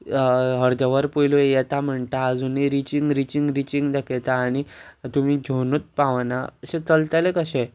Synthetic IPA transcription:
ɦəɾd̪əʋəɾpojlojɛt̪am̤əɳt̪aːd͡zunːiɾit͡ɕiŋɡɾit͡ɕiŋɡɾit͡ɕiŋɡd̪əkʰet̪aːɽ̃it̪um̤id͡ʑʱonut̪̚paʋnaəɕẽt͡səlt̪əlekəɕɛ̃

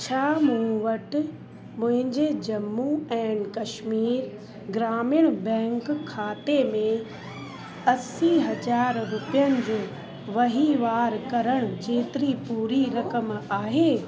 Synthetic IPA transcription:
t͡ɕʰaːmũʋɐʈ | mʊ̃ɦɪ̃ɲd͡ʑed͡ʑɐmːuɛ̃ːnkɐʃmiːɾ | ɡɾaːmɪjɽ̃bɛ̃ːŋkkʰːaːt̪emẽ | ɐsiɦɐd͡ʑaːɾɾʊpijənɪ̆d͡ʑoː | ʋɐɦiʋaːɾkɐɾəɽ̃ʊd͡ʑeːt̪ɪɾipuːɾiɾɐkəmaːɦeː

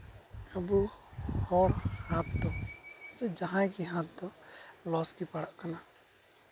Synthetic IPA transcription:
abu | hɔɾhãt̪̚d̪ɔsɛd͡ʒaɦãjkiɦãt̪̚d̪ɔlɔskipaɽaʔkana

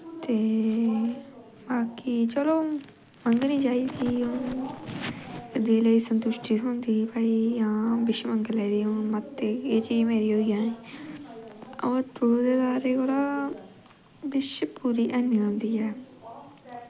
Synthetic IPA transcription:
t̪eː | baːkit͡ʃəloː | məŋɡnĩːd͡ʒaːiːt̪iːo | d̪iːləiːsənt̪ʊʃʈiːɦʊnd̪iːpaːijãːbɪʃməŋɡlɛːd̪iːʊmət̪ːeːeːt͡ʃiːmeːɾiːɦoːijãːeː | ɔːt̪oːd̪eːd̪aːɾeːkoɾaː | bɪʃpuːɾiːʔənːiːɦõnd̪iːɛː

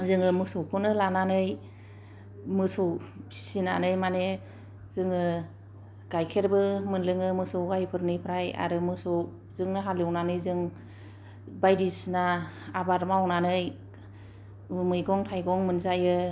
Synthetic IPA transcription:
zɯŋɯmɯsɔwkʰɔnɯlananɯj | mɯsɔwsina̰nɯjmane | zɯŋɯ | ɡ̥ajkʰeɾbɯmɯnlɯŋɯmɯsɔwɡajpʰɯɾnɯjpʰɾaja̰ɾɯmɯsɔw | zɯŋnɯɦalɯwnanɯjzɯŋ | bajdisnaabaɾmawnanɯj | mɯjɡɔŋtʰajɡɔŋmɯnzajɯ

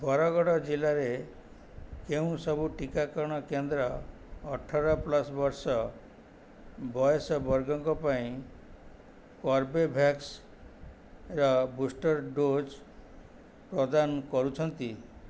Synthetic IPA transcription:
bʱɔɾɔɡɔɽɔd͡ʒilaɾe | keũsɔbuʈikakɔɾɽ̃ɔkend̪ɾɔː | ʈʰːaɾɔplɔsbɔɾsɔ | bɔjesɔbɔɾɡɔŋkɔpaĩ | kɔɾbebʱaks | ɾɔbusʈɔɾɖod͡ʒ | pɾɔd̪anɔkɔɾut͡ʃʰɔnt̪i

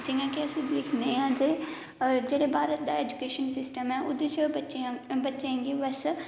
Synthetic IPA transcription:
d͡ʒɪ̃ŋɡãːkɪəsĩlɪkʰnd̪eːãːd͡ʒe | d͡ʒeːɽeːbʱaːɾət̪̚d̪aːeːd͡ʒʊkeːʃənsɪsʈəmɛːʊd̪et͡ʃʰət͡ʃbətːʃẽːɡeːbəs

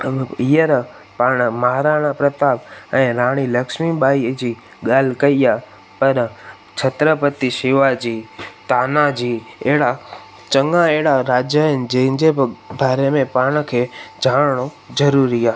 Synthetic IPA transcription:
iːəɾ | paːɽ̃məɦaɾaːɽ̃ãpɾət̪aːpɛ̃ːɾaːɽ̃iləkʃmiɓaːid͡ʑiː | ɠaːl̤kɐia | pəɾ | t͡ʃʰət̪ɾəpət̪iʃiʋad͡ʑiːt̪aːnad͡ʑiːeːɽa | t͡ʃəŋɡãeːɽaɾaːd͡ʒjəɦɪnɪ̆d͡ʑɐ̃ɦɪ̃ɲd͡ʑebʱaːɾemẽpaːɽ̃əkʰed͡ʑʱaːɽɳ̃o | d͡ʒɐɾuɾiaː

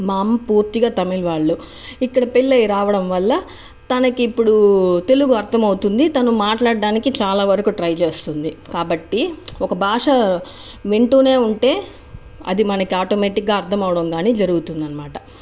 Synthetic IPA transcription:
maːmpuːɾt̪iɡaːt̪ɐmilʋaːɭːu | ikːɐɽɐpilːɐjɾaːʋɐɽɐmʋɐlːɐ | t̪ɐnɐkiːpːuɽut̪e̞luɡuɐɾt̪ʰɐmɐwut̪und̪it̪ɐnumaːʈlaːɽɖaːnikit͡ʃaːlaːʋɐɾɐkuʈɾɐjt͡ʃeːst̪und̪ikaːbɐʈːiɔkɐbʱaːʂɐ | ʋe̞ɳʈuːne̞ːuɳʈe̞ː | ɐ̰d̪imɐnɐkiaːʈoːmeːʈikɡaːɐɾt̪ʰɐmɐwɐɽɐmɡaːniːd͡ʒɐɾuɡut̪und̪ɐnɐmaːʈɐ

